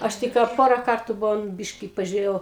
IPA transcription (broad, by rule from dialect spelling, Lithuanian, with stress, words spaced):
ˈɐʃ ˈtʲɪk kɑː ˈpoːrɐ ˈkɐrtuː ˈbʊʋoːm ˈbʲɪʃʲkʲɪ pɐʒʲʊˈrʲeːjɛʊ